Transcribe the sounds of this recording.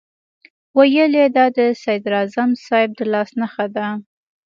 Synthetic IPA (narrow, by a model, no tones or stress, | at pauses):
wajəled̪ɑd̪əsajd̪ɾɑzamsɑjɪb̚d̪əlɑsnaxad̪a